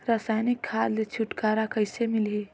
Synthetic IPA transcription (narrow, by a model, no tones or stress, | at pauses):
ɾaːsaːjnɪkʰːaːɾlet͡ʃʰʊʈkaːɾakəɪsemɪlɦi